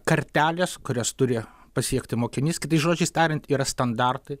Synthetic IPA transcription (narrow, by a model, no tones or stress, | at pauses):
kɐɾʲt̪ʲæːlʲeːskʊɾʲoːst̪ʊɾʲɪ | pɐsʲiɛkt̪ʲɪmoːkʲɪnʲiːskʲɪt̪ɐɪsʒoːd͡ʒʲɛɪst̪ʲæːɾʲɪnʲt̪ʲiːɾɐst̪ɐnd̪ɑrt̪ɐɪ